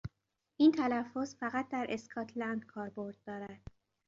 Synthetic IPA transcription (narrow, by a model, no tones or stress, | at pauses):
ʔiːnt̪ʰælæfːo̞zfæɣæt̪̚d̪æɾʔe̞skʰɒːt̪ʰlænd̪̥kʰɒːɾbo̞ɾd̪̚ːɒːɾæd̪̥